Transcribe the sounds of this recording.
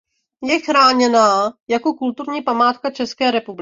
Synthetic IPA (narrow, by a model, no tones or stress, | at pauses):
jɛxɾaːɲɛnaːjako̞kult̪uɾɲiːpamaːt̪kat͡ʃɛskɛːɾɛpubl